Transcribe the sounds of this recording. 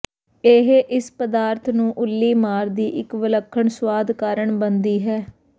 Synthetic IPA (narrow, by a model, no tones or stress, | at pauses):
eːɦʔɪspəd̪aːɾt̪ʰnũːʔʊlːiːmaːɾd̪iːʔɪkʋɪləkʰːəɳswaːd̪kaːɾəɳbənd̪iːɦɛː